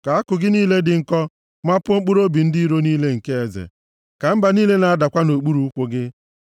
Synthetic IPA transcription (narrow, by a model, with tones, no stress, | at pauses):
ka˨a˦kʊ˨ɡɪ˦niː˦le˦dɪ˨ŋ̩˨kɔ˦ | ma˦pʊ˦ŋ͡m̩˦k͡pu˦ɾo˦bi˨n̩˦di˦ɾo˦niː˦le˦ŋ̩˨ke˦e˨zḛ˨ | ka˨m̩˦ba˨niː˦le˦na˨a˦da˨kʷa˦no˨k͡pu˦ɾu˨ʊ˦kʷʊ˦ɡɪ˦